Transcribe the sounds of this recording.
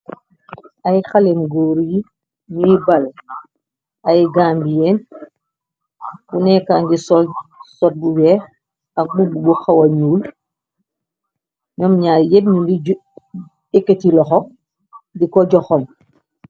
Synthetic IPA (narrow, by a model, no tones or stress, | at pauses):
ajxalemɡɔːɾji | ɲuibɐl | ajɡaːmbijɛːn | unɛːkaːŋɡisɔsɔt̚buwɛːx | ɐk̚bubuɡuxɐwɐɲuːl | ɲɔmɲaːjeb̚ɲudi | ɛkːetilɔxɔ | dikɔɟɔxɔm